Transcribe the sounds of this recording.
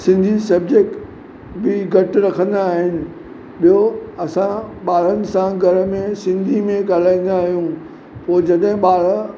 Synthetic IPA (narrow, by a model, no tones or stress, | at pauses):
sɪ̃nd̪ʱisɐbd͡ʑek̚ʈ | bɪɡʱɐʈɾɐkʰə̃nd̪aːɦɪnɪ̆ | ɓijoɐsãɓaːɭ̤ənɪ̆sãɡʱɐɾə̆mẽsɪ̃nd̪ʱimẽɡaːl̤aːĩnd̪aːɦijũ | poːd͡ʑɐɗɦɪ̃ɓaːɭ̤ə